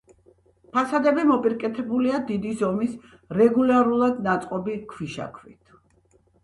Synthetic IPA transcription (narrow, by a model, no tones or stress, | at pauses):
pʰasad̪ɛbimɔpʼiɾkʼɛt̪ʰɛbuliad̪id̪izɔmis | ɾɛɡulaɾulˠad̪nat̪sʼqʼɔbikʰwiʃa̰kʰvḭt̪ʰ